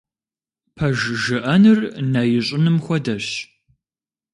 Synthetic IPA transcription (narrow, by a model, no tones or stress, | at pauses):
pʰɐʒʒɨʔɐnɨrnɐjɪɕʼɪnɨmxʷɔdɐɕ